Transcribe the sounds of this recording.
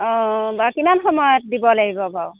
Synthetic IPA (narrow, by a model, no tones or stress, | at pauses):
ɔ̃bakimanxɔmɔjɔt̪̚d̪ibɔlaɡibɔbaw